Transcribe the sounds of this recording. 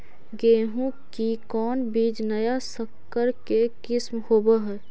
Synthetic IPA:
ɡeːɦũkikɔːnbiːd͡ʒnəjasəkːəɾkekɪsmhoːbaɦɛː

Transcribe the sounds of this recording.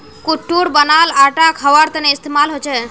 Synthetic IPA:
kuʈːuɾbənalaʈakʰəʋəɾt̪əneɪst̪emalɦot͡ʃʰe

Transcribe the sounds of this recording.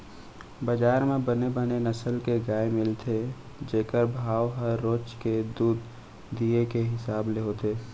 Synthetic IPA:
bəd͡ʒaːɾmẽbənebənenəsəlkeɡaːemɪlt̪ʰe | d͡ʒeːkəɾbʱaːʋɦəɾːoːt͡ʃked̪uːd̪ː | iekeɦɪsaːbleɦot̪eː

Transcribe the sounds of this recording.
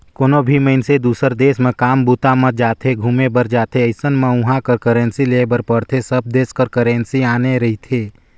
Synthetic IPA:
koːnobʱiməɪnsed̪uːsəɾd̪eːsmẽkaːmbut̪amə̃d͡ʒaːt̪ʰeɡʱuːmebəɾd͡ʒaːt̪ʰeəɪsənmẽʊɦãkəɾkəɾẽːnsileːbəɾpəɽt̪ʰesəb̚d̪eːskəɾkəɾẽːnsiaːneɾɐɦit̪ʰeː

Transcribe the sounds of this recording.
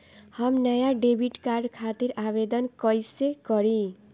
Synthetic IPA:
hʌmnʌjaɖebʱiʈkarɖkʰat̪iɾʔabed̪ʌnkʌjsekʌɾi

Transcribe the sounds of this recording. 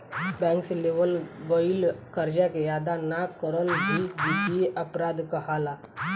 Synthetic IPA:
bɛ̃ːŋkseleʋəlʋəilkəɾd͡ʒakejaːd̪anakəɾəlɦid͡ʒitieʔəpɾaːd̪kəɦala

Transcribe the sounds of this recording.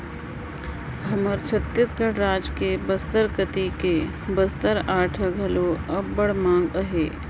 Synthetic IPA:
ɦɐməɾt͡ʃʰɐt̪ːisɡʱəɽɾaːd͡ʒkebəst̪əɾkət̪ike | bəst̪əɾaːʈʰəɡʱɐloɐbːəɽmãːŋɡəɦeː

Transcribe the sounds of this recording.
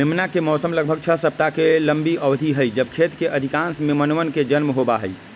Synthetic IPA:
memnakemɔːsəmləɡbʱəɡ̚t͡ʃʰəɦsəb̚t̪akeləmbiəʊd̪ʱiɦəjd͡ʒəb̚kʰet̪keʔəd̪ʱikãnsmemənʋənked͡ʒənmɦobaɦəj

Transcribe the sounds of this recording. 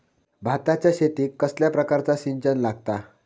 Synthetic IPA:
bʱat̪at͡ɕjaɕet̪iːkːəsljapɾəkaɾt͡saɕiɲt͡ɕənlaɡt̪a

